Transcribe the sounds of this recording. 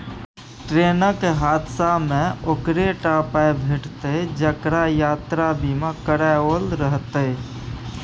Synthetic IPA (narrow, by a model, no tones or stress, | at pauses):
ʈɾeːnəkeɦaːd̪samẽokɾeʈaːpabʱeʈt̪ed͡ʒəkɾajaːt̪ɾabimãkəɾaoːlɾəɦt̪ə